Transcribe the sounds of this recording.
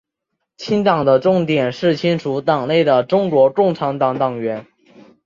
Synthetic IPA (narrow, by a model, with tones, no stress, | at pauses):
t͡ɕʰi˥nt̪ɑ˨˩ŋd̪ə˦ʈ͡ʂʊ˥˩ŋt̪jɛ˨˩nʂɻ̩˥˩t͡ɕʰi˥nʈ͡ʂʰu˧˥t̪ɑ˨˩ŋne˥˩ɪd̪ə˩ʈ͡ʂʊ˥ŋkwɔ˧˥ʈ͡ʂʊ˥˩ŋʈ͡ʂʰɑ˧˥ŋt̪ɑ˨˥ŋt̪ɑ˨˩ŋɥɛ˧˥n